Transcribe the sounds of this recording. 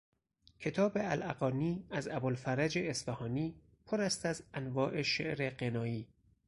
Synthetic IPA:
kʰe̞t̪ʰɒːbeælʔæ̰ɣɒːniːæzæbolfæɾæd͡ʒeːsfæhɒːniː | pʰoɾæst̪æzænvɒːʔe̞ʃḛʔɾeɢenɒːjiː

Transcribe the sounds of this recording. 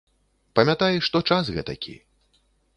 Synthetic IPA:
pɐmʲat̪ajʂt̪ɔt͡ʂasɣɛ̰t̪ɐ̰kʲḭ

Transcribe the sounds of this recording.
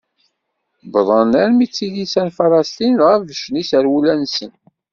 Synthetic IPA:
bðˤənæɾmit͡sːiðisænfɑɾˤɑst̪inʁəfvəʃnisəɾwulænsən

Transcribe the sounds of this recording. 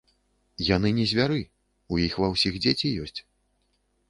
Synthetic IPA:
janɨnʲɛzʲvʲaɾɨ | ujixvɐwsʲixd͡zʲet͡sʲijɔsʲt͡sʲ

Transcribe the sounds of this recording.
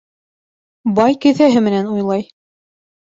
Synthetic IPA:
bɑjkɘ̆θæɦɘmɘ̆nænujlˠɑj

